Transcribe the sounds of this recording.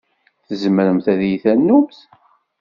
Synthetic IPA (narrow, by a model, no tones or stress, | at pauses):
θəzməɾəmθæðjiθænːumθ